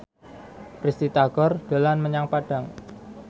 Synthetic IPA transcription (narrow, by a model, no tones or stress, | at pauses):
prist̪it̪aɡ̥ɔrd̥əlanməɲaŋpaɖ̥a̤ŋ